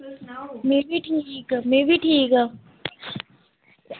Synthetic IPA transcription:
mẽbʱiʈʰikmẽːbʱiʈʰiːka

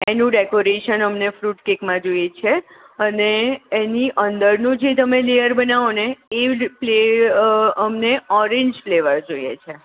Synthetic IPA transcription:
enũɖekoɾeʃənəmnefɾuʈkekmãd͡ʒojet͡ʃʰe | əneːniʔənd̪əɾnũd͡ʒet̪əmelejəɾbənaʋoneːple | əmneɔɾẽɲd͡ʒfleʋəɾd͡ʒojḛt͡ʃʰe

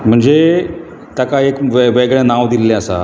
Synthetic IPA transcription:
m̤əɳd͡ze | t̪jakaekʋʋeɡɭãnaʋd̪ilːɛ̃əsa̰

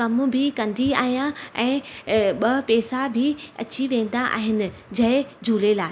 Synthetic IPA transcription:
ɐmbʱɪkɐ̃nd̪iaːɦijãɛ̃ːɓɐpɛːsabʱɪɐ̰t͡ɕiʋẽːnd̪aʔa̰ːɦɪnɪ̆d͡ʑɐɦɪd͡ʑʱuːlelaː

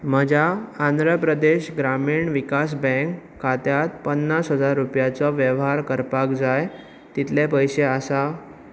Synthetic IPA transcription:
məd͡ʑʱaːnd̪ɾəpɾəd̪eɕɡɾamiːɳʋikas̬bɛ̃ŋkʰːat̪jat̪pənːasɦəd͡zaɾːupjat͡sɔʋjəʋɦaɾkəɾpakd͡zaj | t̪it̪ʰlepəjseasa

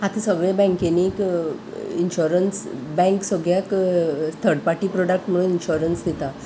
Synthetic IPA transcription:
ɦat̪ʰesəɡɭẽbɛ̃ŋkeniːk | inɕuɾənsbɛ̃ŋksəɡɭjakst̪ʰəɾɽpaʈiːpɾɔɽək̚ʈm̤əɽũninɕuɾənsd̪ʱit̪a

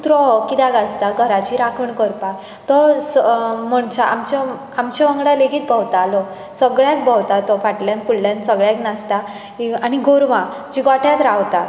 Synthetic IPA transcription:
t̪ɾɔkid̪aɡast̪aɡʱəɾat͡ɕiɾakʰəɳkəɾpa | t̪ɔsmɔɳt͡ɕaʔamt͡ɕɔ | amt͡ɕɔʋə̃ŋɡɽaleɡiːt̪̚bʱəwt̪aːlɔ | səɡɭjãk̚bəwt̪at̪ɔfaʈljãnpulljãnsəɡɭjaknast̪a | iañiɡoɾʋã | d͡ʑiɡaʈʰjãt̪ɾawt̪a

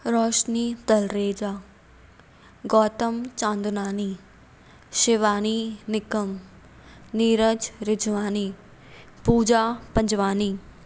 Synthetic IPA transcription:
ɾɔːʃniːt̪ɐlɾeːd͡ʒaː | ɡɔːt̪əmt͡ʃãːnd̪naːniː | ʃɪʋaːninɪkəm | niːɾəd͡ʒɾɪd͡ʒʋaːniː | puːd͡ʒaːpɐ̃ɲd͡ʒʋaːniː

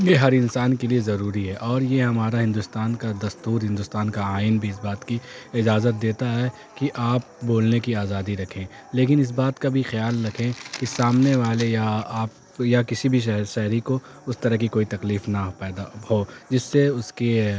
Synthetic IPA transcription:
jeɦɐɾɪ̃nsaːnkeliezɐɾuːɾiɦɛʔɔːɾjeɦɐmaːɾaɦɪ̃nd̪ʊst̪aːnkad̪ɐst̪uːɾɦɪ̃nd̪ʊst̪aːnkaaːɪnbʱiɪsbaːt̪kiɪd͡ʒaːzət̪̚d̪eːt̪aɦɛ | kiʔaːp̚boːlnekiaːzaːd̪iɾɐkʰẽː | leːk̬ɪnɪs̬baːt̪kabʱixjaːlːɐkʰẽkisaːmneʋaːlejaːp | jakɪsibʱiɦʃɛɦɾiko | ʊst̪ɐɾəɦkikoːit̪ɐkliːfnapɛːd̪ahod͡ʒɪsːeʊske

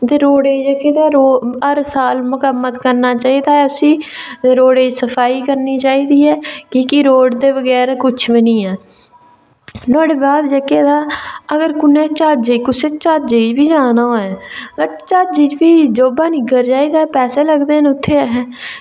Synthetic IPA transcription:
t̪eːɾoːɽeːd͡ʒəkeːd̪aːɾoːəɾsaːlmʊkəmːət̪kəɾnaːt͡ʃaːiːd̪aːɛːʊsĩː | ɾoːɽeːd͡ʒsəpʰaːiːkəɾniːt͡ʃaːiːd̪iːɛːkiːkiɾoːɖd̪eːʋəɡɛːɾkʊt͡ʃʰbənĩːɛː | nɔ̃ːɽeːbaːd̪d͡ʒəkeːd̪aːəɡəɾkʊnẽːt͡ʃaːd͡ʒekʊseːt͡ʃaːd͡ʒed͡ʒbiːd͡ʒaːnaːoɛːt͡ʃaːd͡ʒiːd͡ʒbiːd͡ʒoːbaːnĩːɡəɾd͡ʒaːiːd̪aːpɛːseːləɡd̪eːnʊt̪ʰːeːɦɛ̃ː

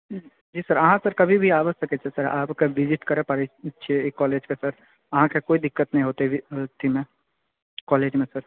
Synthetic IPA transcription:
d͡ʒiːsɐɾɐɦãsɐɾkɐbʱibʱiaːʋəsɐket͡ʃʰesɐɾa̰ːpkeʋɪzɪʈkɐɾẽpaːɾet͡ʃʰeeːkːɔːleːd͡ʒkesɐɾ | ɐɦãkekoːid̪ɪkːət̪nɐɦĩɦoːt̪eɪt̪ʰimẽː | kɔːleːd͡ʒmẽsɐɾ

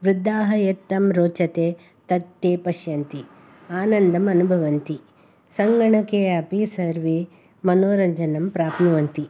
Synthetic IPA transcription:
ʋɾud̪ʱːaːɦɐjet̪ːɐmɾoːt͡ʃɐt̪eː | t̪ɐt̪ːeːpɐʃjɐnt̪i | aːnɐnd̪ɐmɐnubʱɐʋɐnt̪i | sɐŋɡɐɳɐkeːɐpisɐɾʋi | mɐnoːɾɐɲd͡ʒɐnɐmpɾaːpnuʋɐnt̪i

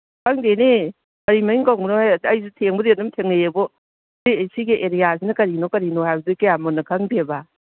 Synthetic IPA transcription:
kʰaŋdene | kɐɾimɐiŋkawŋbnohaɐjsutʰeŋbɐdedumtʰeŋejebɔ | zeesiɡeʔeɾijasinɐkɐɾinokɐɾinohajbɐdukɐjamonːɐkʰaŋdeba

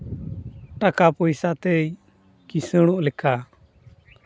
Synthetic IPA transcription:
ʈakapɔjsat̪ɛj | kisəɽ̃ɔʔlɛkʰa

